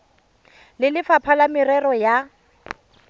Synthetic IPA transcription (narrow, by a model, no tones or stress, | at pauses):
lɪlɪfapʰalamɪɾɛrɔja